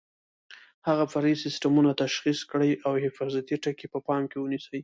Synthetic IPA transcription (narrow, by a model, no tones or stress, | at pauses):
haɣafaɾisɪsʈamunat̪aʃxiskɽəjʔawhɪfɑzat̪iʈakepəpɑmkewənisəj